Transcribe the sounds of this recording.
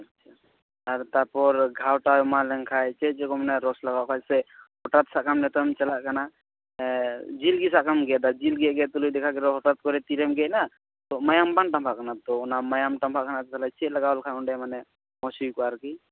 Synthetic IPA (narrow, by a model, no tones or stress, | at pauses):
at͡ʃʰa | aɾt̪apɔɾɡʱawʈaɔmalɛŋkʰajt͡ʃɛt͡ʃɛkɔmanɛɾɔslaɡawkʰajsɛhɔʈat̪̚saʔkamnɛt̪ɔmt͡ʃalaʔkana | d͡ʒilɡisaʔkamɡɛd̪ad͡ʒilɡɛʔ̚ɡɛt̪ulujd̪ɛkʰaɡɛɾɔɦɔʈat̪̚kɔɾɛt̪iɾɛmɡɛʔ̚na | t̪ɔmajambanʈampʰaʔkanat̪ɔɔnamajamʈampʰaʔkanat̪ɛkʰalat͡ʃɛʔ̚laɡaɔlkʰajɔɳɖɛmanɛ | mɔsujkɔaɾki